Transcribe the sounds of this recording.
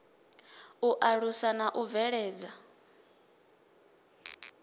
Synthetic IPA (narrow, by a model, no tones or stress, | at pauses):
uʔaɺusanaʔuvɛɺɛːd͡za